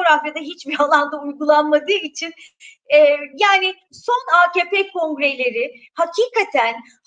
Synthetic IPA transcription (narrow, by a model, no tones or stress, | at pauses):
oɾafjad̪aɦit͡ʃbiɾalˠand̪aujɡulˠanmad̪ɯːit͡ʃʰin | ɛːjaːnɪ | so̞naceːpeːkʰõ̞ŋɡɾe̞lʲe̞ɾɪ | hacʰiːkʰat̪ʰæn